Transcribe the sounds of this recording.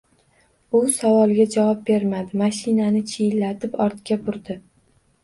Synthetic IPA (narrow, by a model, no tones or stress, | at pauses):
ʊsavɒlˠɡʲad͡ʒavɒp̚be̞ɾmad̪ɪmaʃɪnanɪt͡ʃʰijlːat̪ʰɪpɒɾt̪kʲabʊɾd̪ɪ